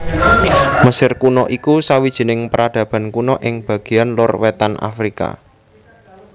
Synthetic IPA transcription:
məsɪrkunɔʔikusawid̥ʒ̥i̤nɪŋpəɾad̥ä̤b̥a̤nkunɔʔɪŋb̥ä̤ɡ̥i̤janlʊrwet̪ana̰fɾika̰

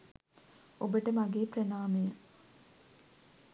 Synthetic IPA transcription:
obəʈəmaɡeːprɐnaːmejə

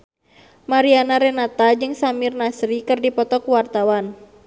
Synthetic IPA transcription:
maɾianaɾɛnat̪ad͡ʒɨŋsamirnasɾikɨrdipɔt̪ɔkuwart̪awan

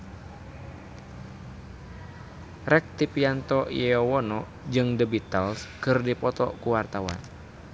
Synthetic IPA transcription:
rɛk̚t̪ipiant̪ɔʔḭjɛɔwɔnɔ | d͡ʒɨŋdəbit̪alskɨrdipɔt̪ɔ̰kuwart̪awa̰n

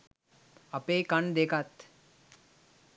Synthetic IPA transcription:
ɐpeːkɐnd̪ekʰat̪

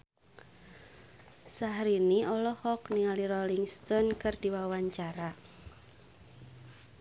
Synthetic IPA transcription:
saɦɾiniʔɔlɔhɔkniŋaliɾɔliŋst̪ɔnkɨrd̥i̤wawaɲt͡ʃaɾa

